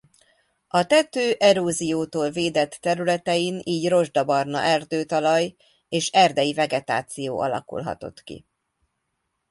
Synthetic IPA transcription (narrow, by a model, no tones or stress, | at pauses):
ɒt̪ɛt̪øːʔɛɾoːzijoːt̪oːlveːd̪ɛt̪ːɛɾylɛt̪ɛjiniːɟro̞ʒd̪ɒbɒrnɒ̰ʔɛrd̪øːt̪ɒlɒj | eːʃɛrd̪ɛjivɛɡɛt̪a̰ːt̪sijoːʔɒlɒ̰kṵlɦɒ̰t̪o̞̰t̪kḭ